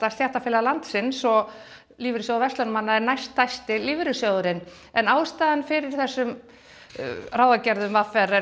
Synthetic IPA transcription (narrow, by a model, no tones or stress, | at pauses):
t̪ast̪jaht̪afɪːlalant̪sɪnsɔ | liːvɪɾʏsjɔɣðʏvɛst̪lœnmanːaðɛɾnajst̪ʰːajst̪ɪliːvɪɾɪsjœðʏɾɪn | ɛnaːwst̪aːðanfɪɾɪɾ̥θɛsːʏm | raːwðacɛɾðʏmvafɛɾɛ